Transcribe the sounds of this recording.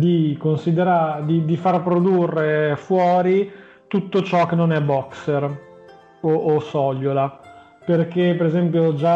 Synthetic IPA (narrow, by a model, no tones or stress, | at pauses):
d̪ikonsid̪eɾad̪id̪ifarpɾod̪urːefwɔːɾi | t̪ut̪ːot͡ʃɔk̟ːenonɛbɔkser | oʔːsɔʎːola | perk̟epːeɾezɛmpjod͡ʒa